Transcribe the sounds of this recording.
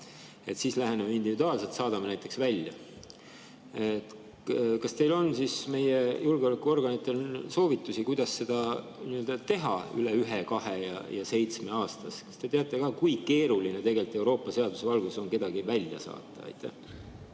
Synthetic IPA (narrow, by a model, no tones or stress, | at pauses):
e̞t̪sislæɦe̞nemeind̪ivid̪uɑːlse̞lt̪sɑːd̪̥ɑmenæjt̪ːˑe̞ksvælʲjɑ̰ | et̪ | kɑst̪e̞jlo̞nsisme̞je̞julɡeo̞lækːˑuo̞rɡ̥ɑnit̪ːˑe̞lso̞ːvit̪ːˑusikujd̪̥ɑsːe̞d̪̥ɑniø̞ld̪̥ɑt̪e̞ɦɑ̰y̰leyɦekɑɦe̞jɑ̰jɑse̞jt̪sme̞ɑːst̪ɑskɑ̥st̪e̞t̪e̞ɑt̪ˑːe̞kɑːkujke̞ːɾulinet̪e̞ɡ̥e̞lt̪ːˑe̞wɾo̞ːpːˑɑse̞ɑd̪use̞vɑlɡuso̞ŋke̞d̪̥ɑɡ̥ivælʲjɑ̰sɑ̰ːt̪ːˑɑ̰ɑ̰jt̪ːæ̰h